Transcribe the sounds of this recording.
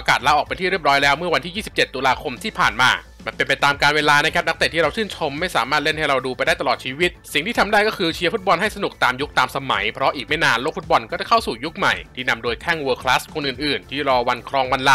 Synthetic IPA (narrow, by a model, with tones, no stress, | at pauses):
ʔaː˧kaː˨˩t̪̚laː˦˥ʔɔː˨˩kpa˧nt̪iː˥˩ɾi˥˩p̚ɾɔː˦˥jlɛː˦˥wmɯ˥˩ɐwa˧nt̪ʰiː˥˩jiː˥˩si˨˩p̚t͡ɕe˨˩t̪ːuː˧laː˧kʰo˧mt̪ʰiː˥˩pʰaː˨˩nmaː˧ | ma˧˥npe˧npa˧jt̪aː˧mkaː˧nweː˧laː˧na˥kʰa˦˥na˦˥kt̪e˨˩t̪ʰːiː˥ɾa˧wt͡ɕʰɯː˥˩nt͡ɕʰo˧mːa˥˩jsaː˩˦maː˥˩t̪̚le˥˩nha˥˩ɾa˧wduː˧pa˧jdaː˥˩jt̪a˧lɔː˨˩t̪̚t͡ɕʰiː˧wi˦˥t̪̚si˨˩ŋt̪iː˥˩a˧mdaː˥˩jkɔː˥˩kʰɯː˧t͡ɕʰi˧˦˥fu˦˥t̪̚bɔ˧nɦa˥˩jsa˧nu˨˩k̚t̪aː˧mju˦˥k̚t̪aː˧msa˧ma̰˩˦jpʰɾɔ˦˥ʔiː˨˩ma˥˩jnaː˧nloː˥˩k̚fu˦˥bɔ˧nkɔː˥˩t͡ɕa˥˩kʰa˥˩wsuː˨˩ju˦˥k̚ma̰˨˩jt̪ʰiː˥˩na˧mdoː˧jkʰɛː˥˩ŋwɤː˧kʰla˦˥skʰo˧nʔɯː˨˩nʔɯː˨˩nt̪ʰiː˥˩ɾɔː˧wa˧nkʰɾɔː˧ŋwa˧nla˦˧˥